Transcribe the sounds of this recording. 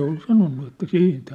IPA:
ol sɑnonːu etːæ siːnt

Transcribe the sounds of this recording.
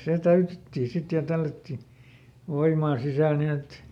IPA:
se tæytetːiː sit jɑ tælːætːi ʋoimɑː sisæˑl nin et

